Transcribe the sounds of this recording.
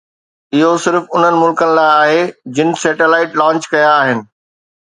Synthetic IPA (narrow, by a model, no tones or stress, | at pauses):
ɪɦosɪɾfʊn̤ənɪ̆mʊlkənɪ̆laːɪaːɦed͡ʑɪnɪ̆sɛːʈelaːɪʈlãːt͡ɕkɐjaːɦɪnɪ̆